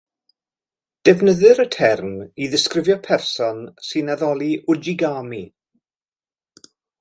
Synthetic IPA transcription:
d̥ɛvnəðɨɾətʰɛrmiðɪskrɪvjɔpʰɛrsɔnsɨnaðɔlˠiʔʊd͡ʒiɡaːmi

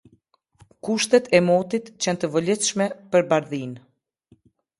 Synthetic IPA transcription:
kuʃt̪ɛt̪ʰɛmɔt̪it̪t͡ɕɛnt̪əvəlɛθʃmɛpəɾbaɾðin

